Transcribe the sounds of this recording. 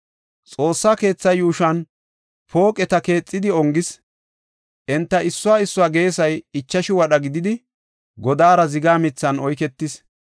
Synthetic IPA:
t͡sʼo̞ːsːaːke̞ːt͡sːɐjuːʃɐn | po̞ːkʼɛt̪ɐke̞ːt͡sʼːɪd̪ɪɔŋɡɪs | ʔɛnt̪ːɐʔɪsːʊwaːɪsːʊwaːɡe̞ːsɐjɪt͡ʃːɐʃɪwɐɗɐɡɪd̪ɪd̪ɪ | ɡɔd̪aːɾɐzɪɡaːmɪt͡sːɐnɔjkɛt̪ːɪs

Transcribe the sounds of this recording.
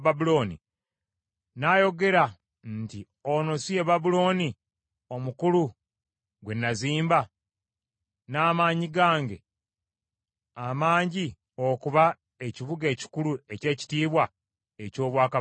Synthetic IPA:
βabulo̞ːnḭ | naːjo̞ɡe̞ɾa | nti | ono̞sije̞βabulo̞ːni | o̞mukulu | ɡwe̞nːaziːmba | naːmaːɲiɡaːŋɡe̞ | amaːɲɟi | o̞kuβa | e̞ciβuɡe̞ːci̥kulue̞ce̞ːci̥tiːβwa | e̞co̞ːβwaːka

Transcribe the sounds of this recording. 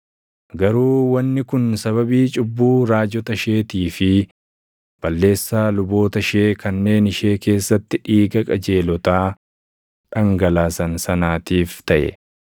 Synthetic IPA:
ɡɐɾuːwɐnːɪkʊnsɐβɐbiːt͡ʃʼʊbːuːɾaːd͡ʒɔt̪ɐʃe̞ːt̪iːfɪ | b̥ɐlːe̞ːsːaːlʊbo̞ːt̪ɐʃe̞ːkɐnːe̞ːnɪʃe̞ːke̞ːsːɐt̪ːɪᶑiːɡɐkʼɐd͡ʒe̞ːlɔt̪aː | ᶑɐŋɡɐlaːsɐnsɐnaːt̪iːft̪ɐʔɛ̰

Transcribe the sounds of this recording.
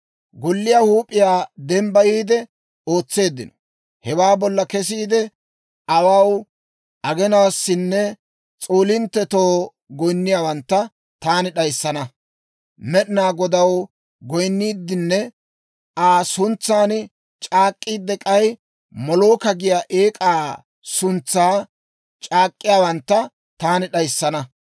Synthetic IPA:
ɡɔlːɪjahuːpʼːɪjaːd̪ɛmbɐjiːd̪ɛ | o̞ːt͡sːe̞ːd̪ːɪnɔ̥ | hɛwaːbɔlːɐkɛs̬iːd̪ɛ | ʔɐwaw | ʔɐɡɛnaːsːɪnːɛ | t͡sʼoːlɪnt̪ːɛt̪oː | ɡɔjnːɪjaːwɐnt̪ːɐ | t̪aːnɪɗɐjsːɐnɐ | mɛɗɪnaːɡɔd̪ɐw | ɡɔjnːiːd̪ːɪnːɛ | ʔaːsʊnt͡sːaːn | t͡ʃʼaːkʼːiːd̪ɛkʼɐj | mɔloːkɐɡɪjaːʔeːkʼaː | sʊnt͡sːaː | t͡ʃʼaːkʼːɪjaːwɐnt̪ːɐ | t̪aːnɪɗɐjsːɐnɐ

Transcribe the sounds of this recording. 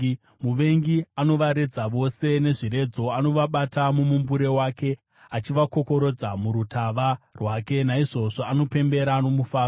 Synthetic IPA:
muʋe̞ŋɡiano̞ʋaɾe̞d͡zaʋo̞se̞ne̞ʐiɾe̞d͡zo̞ano̞ʋaɓatamumumbuɾe̞waːke̞ | at͡ʃiʋako̞ko̞ɾo̞d͡zamuɾutʰaʋarwaːke̞naiʐo̞ʐoano̞pe̞mbe̞ɾano̞mufaːr

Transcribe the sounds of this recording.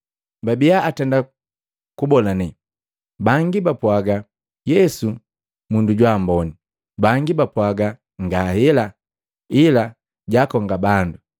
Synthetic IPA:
babijaːtɛnda | kubɔlanɛ | baŋɡibapwaɡa | jɛsu | munduɟwaːmbɔni | baŋɡibapwaɡa | ŋɡahɛla | ila | ɟakɔŋɡabandu

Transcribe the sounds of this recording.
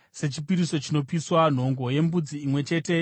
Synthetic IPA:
se̞t͡ʃipiɾiso̞t͡ʃino̞piswan̤o̞ŋɡo̞je̞mbud͡ziːmwe̞t͡ʃe̞ːte̞

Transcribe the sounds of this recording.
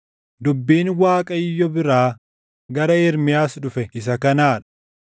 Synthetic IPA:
d̪ʊbːiːnwaːkʼɐɪjːɔbɪɾaː | ɡɐɾɐɛɾmɪjaːsᶑʊfɛɪs̬ɐkɐnaːᶑɐ̥

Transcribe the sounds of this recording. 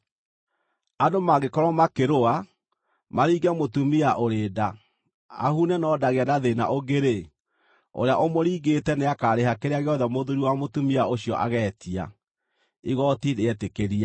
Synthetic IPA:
adomaɡekɔɾɔmakeɾoa | maɾiːɡɛmotumiaʔoɾeːda | a̰hunɛnɔdaɣeanaðena̰ʔoɡeɾe | o̰ɾeaʔomoɾiːɣetɛneakaɾeɦakeɾeaɣeɔðɛmoðoɾiwamotumiaoɕjɔʔa̰ɣɛːtia̰ | iɣɔtineɛtekeɾia

